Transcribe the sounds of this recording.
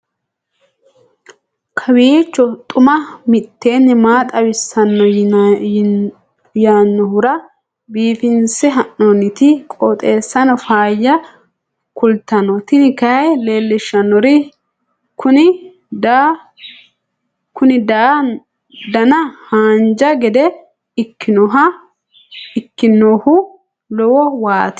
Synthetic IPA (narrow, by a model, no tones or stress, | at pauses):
kʰɐwiːt͡ʃːɔt̪ʼʊmɐmɪt̪ːe̞ːnːɪmaːt̪ʼɐwɪsːɐnːɔ | jaːnːɔhʊɾɐ | biːfɪnsɛɦɐnːɔnɪt̪ɪkʼɔt̪ʼe̞ːsːɐnɔfaːjːɐ | kʊlt̪ːɐnɔt̪ɪnɪkɐjle̞ːlːɪʃːɐnːɔɾɪ | kʊnɪ | d̪a | kʊnɪd̪ɐ | d̪ɐnɐhaːnd͡ʒɐɡɛd̪ɛ | ɪkːɪnɔɦɐ | ɪkːɪnːohʊ | lɔwɔwaːt̪